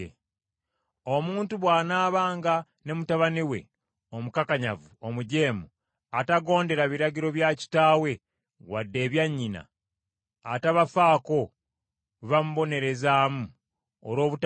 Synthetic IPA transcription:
o̞muːntuβwaːnaːβaːŋɡa | ne̞mutaβaniwe̞̰ | omukakaɲavuo̞muɟe̞ːmu | ataɡo̞ːnde̞ɾaβiɾaɟiɾo̞βjaci̥taːwe̞ | wadːe̞ːβjaɲːina̰ː | taβafaːko̞ | βamuβo̞ne̞ɾe̞zaːmu | oɾo̞ːβut

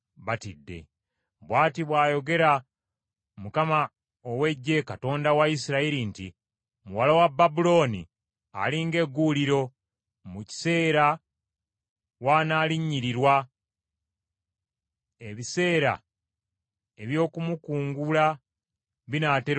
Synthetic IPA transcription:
βatidːe̞̰ | bwaːtiβwaːjo̞ɡe̞ɾa | mukama | owe̞ɟːe̞kato̞ːndawaisiɾaiɾinti | muwalawabːabulo̞ːnḭ | a̰liŋɡe̞ɡːuliɾo̞ | muci̥se̞ːɾa | waːnaːliɲːiɾiɾwa | eβise̞ːɾa̰ | e̞βjo̞ːkumukuːŋɡula | βinate

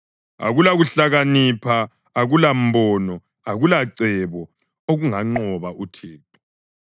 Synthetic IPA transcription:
a̰ɣulaɣuɬaɣanipʰaː | ɣulam̩bɔːnɔ | aɣulaǀɛβɔ | oɣuŋaŋ͡ǀɔβaʔutʰeːtʰu̥

